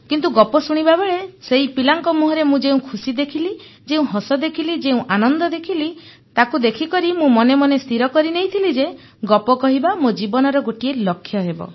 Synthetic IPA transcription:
kint̪̬uɡɔpɔsuɽ̃ibabeɭeseipilaŋkɔmuɦɔɾemũd͡ʒeũkʰusid̪ekʰili | d͡ʒeũɦɔsɔd̪ekʰilid͡ʒeũʔanɔnd̪ɔd̪ekʰili | t̪akud̪ekʰikɔɾimũmɔnemɔnest̪ʰiɾɔkɔɾinejt̪ʰilid͡ʒe | ɡɔpɔkɔɦibamod͡ʒibɔnɔɾɔɡoʈielɔkʰːjɔɦebɔ̰

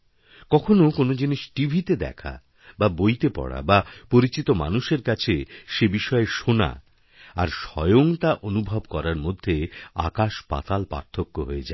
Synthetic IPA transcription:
kɔkʰonokonod͡ʑiniʃʈibʱit̪ed̪ɛ̰kʰa̰ | babojt̪epɔ̰ɽa̰bapoɾit͡ɕit̪oma̰nuʃeɾkat͡ɕʰeʃebiʃɔeʃona̰ | aɾʃɔjoŋt̪aʔonubʱabkɔɾaɾmod̪ʱːea̰kaʃpa̰t̪alpa̰ɾt̪ʰokːoɦoed͡ʑae

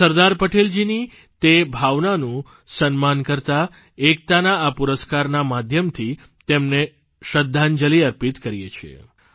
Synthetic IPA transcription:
səɾd̪aɾpəʈeld͡ʒini | t̪ebʱaʋnanũ | sənmankəɾt̪a | ek̚t̪anaːpuɾəskaɾnamad̪ʱjəmt̪ʰi | t̪emne | ʃəd̪ʱːand͡ʒəliəɾpit̪kəɾjḛt͡ʃʰḛ

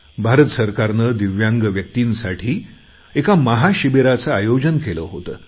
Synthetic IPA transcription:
bʱaɾət̪əsəɾkaɾnəd̪iʋjaŋɡəʋjək̚t̪insaʈʰiː | ekaməɦaɕibeɾat͡saajod͡ʑənkeləɦot̪ə̰ː

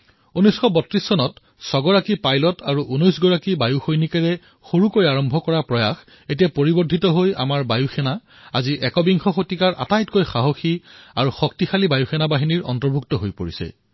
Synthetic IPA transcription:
unɔjsxɔbɔtɹisːɔnɔt | sɔɡɔɹakipajlɔtaɹuʔunojsɡɔɹakibajuxojnikaɹɛ | xoɹukojaɹɔmbʱɔkɔɹapɹɔjax | etijapoɹibɔdʱitɔɦoja̰maɹbajuxʰɛna | aziʔɛkɔbiŋxʰɔxotikaɹʔa̰tajtkojxaɦoxiaɹuxɔk̚tixalibajuxʰɛnabaɦiniɹɔ̰ntɔɹbʱuk̚tɔɦojpo̰ɹisɛ̰

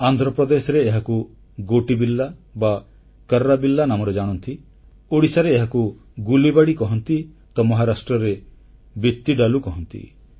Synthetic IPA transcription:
and̪ʱɾɔpɾɔd̪esɔɾeːɦaku | ɡoʈibilːaba | kəɾːabilːanamɔɾed͡ʒaɽ̃ɔnt̪i | oɽisaɾeːɦaku | ɡulibaɽikɔɦɔnt̪i | t̪ɔmɔɦaɾasʈɾɔɾe | bit̪ːiɖalukɔɦɔnt̪ḭ

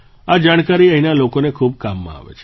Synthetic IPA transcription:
ad͡ʒaɽ̃kaɾiə̃inalokonekʰub̚kamːã̰a̰ʋḛt͡ʃʰe̥

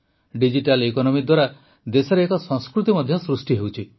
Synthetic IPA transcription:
ɖid͡ʒiʈalekɔnɔmid̪waɾa | d̪esɔɾeːkɔsɔŋskɾut̪imɔd̪ʱjɔsɾusʈiɦewt͡ʃʰi

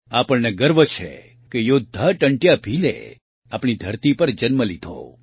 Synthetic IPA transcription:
apəɳneɡəɾʋət͡ʃʰḛ | kejod̪ʱːaʈəɳʈjabʱilḛ | apɳ̃id̪ʱəɾt̪ipəɾd͡ʒənməlid̪ʱo̰

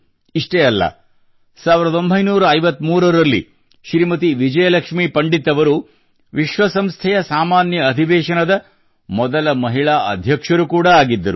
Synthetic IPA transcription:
iʂʈeɐlːɐ̰ | saːʋiɾd̪ɐo̞mbʱɐjnuːɾɐɐjʋɐt̪ːmuːɾɐɾɐlːḭ | ʃɾimɐt̪̬iʋid͡ʒɐjɐlɐkʂmipɐɳɖit̪ɐʋɐɾu | ʋiʃʋɐsɐmst̪ʰɛjɐsaːmaːnjɐːd̪ʱiʋɛːʃɐnɐd̪ɐ | mɔd̪ɐlɐmɐɦiɭaːɐd̪ʱjɐkʂɐɾukuːɽɐaːɡid̪ːɐɾu

